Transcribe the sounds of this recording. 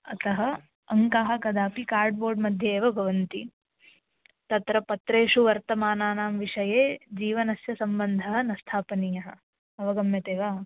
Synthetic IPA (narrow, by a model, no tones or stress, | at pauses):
ɐt̪ɐɦɐ | ɐŋkaːɦɐ̆kɐd̪aːpikaːɾɖboːɾɖmɐd̪ʱjɐeːʋɐɡʱɐʋɐnt̪i | t̪ɐt̪ɾɐpɐt̪ɾeːʂuʋɐɾt̪ɐmaːnaːnaːmʋiʂɐjeːd͡ʒiːʋɐnɐsjɐsɐmbɐnd̪ʱɐɦɐ̆nɐst̪ʰaːpɐnijɐɦɐ̰̆ | ɐʋɐɡɐmjɐt̪eːʋaː